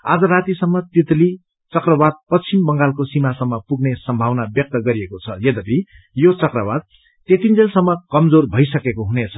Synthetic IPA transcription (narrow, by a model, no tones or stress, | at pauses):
ad͡zʌrat̪isʌmːʌt̪it̪li | t͡sʌkrʌbad̪̚pʌt͡sʰimbʌŋɡalkosimasʌmːʌpuɡnesʌmbʱawnabjʌk̚t̪ʌɡʌɾiekot͡sʰʌjʌd̪ʌbʱi | jot͡sʌkrʌbad̪̚ | t̪et̪ind͡zelsʌmːʌkʌmd͡zorbʱʌjs̬ʌkekoɦunet͡sʰʌ̥